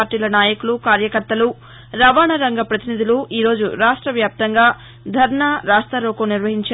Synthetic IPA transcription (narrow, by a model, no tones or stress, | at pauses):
ɾʈːiːlɐnaːjɐkulukaːɾjɐkɐɾt̪ɐlu | ɾɐʋaːɳɐɾɐŋɡɐpɾɐt̪inid̪ʱiloːʔiːɾo̞ːd͡ʒuɾaːʂʈɾɐʋjaːp̚t̪ɐŋɡaː | d̪ʱɐɾɳaːɾaːʂt̪ɐɾoːkɐniɾʋɐɦiɲt͡ʃa